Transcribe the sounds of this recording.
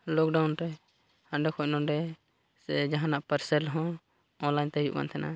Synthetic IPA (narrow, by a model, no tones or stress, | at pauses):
lɔk̚ɖawnɾɛ | hanɖɛkʰɔʔ̚nɔnɖɛ | sɛd͡ʒaɦãnaʔpəɾsɛlɦɔ̃ | ɔ̃nlaɲt̪ɛjṵʔba̰nt̪ʰɛna̰